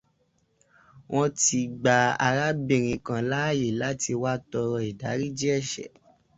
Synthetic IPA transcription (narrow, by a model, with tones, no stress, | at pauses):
w̃ʔɔ̃˦ti˧ɡ͡ba˧a˧ɾa˦bi˨ɾ̃ĩ˨kã˨la˦˨je˨la˦ti˧wa˦tɔ˧ɾɔ˧i˨da˨˦ɾi˦d͡ʒi˦ɛ˦˨ʃɛ̰˨˦